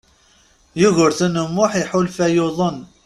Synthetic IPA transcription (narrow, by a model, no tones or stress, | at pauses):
jʊɣʊɾθənəmːʊħiħulfæjoðˤən